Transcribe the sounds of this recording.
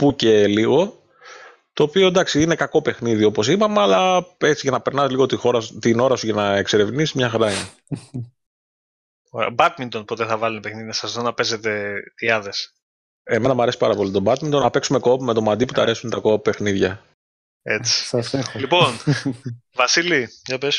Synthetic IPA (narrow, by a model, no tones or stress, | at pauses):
puce̞liɣo̞ | t̪o̞ːpio̞d̪ɐksiine̞kɐko̞pe̞xniðio̞po̞sipɐmeɐlɐe̞t͡siʝɐnɐpe̞ɾnɐsliɣo̞t̪ixo̞ɾɐt̪ino̞ɾɐsuʝɐnɐekse̞ɾe̞vniszmɲɐxɐɾɐine | obɐt̪̚mint̪o̞npo̞t̪e̞θɐvɐlunepexniðinɐsɐsðonɐpe̞ze̞t̪e̞iɐðe̞s | e̞me̞nɐmɐɾe̞si̥pɐɾɐpo̞lit̪o̞bɐt̪mint̪o̞nɐpe̞ksume̞ko̞pume̞t̪o̞mɐd̪ipu̥t̪ɐːɾe̞sunt̪ɐko̞pːe̞xniðʝɐ | et͡si̥slipo̞n | vɐsiliʝɐpes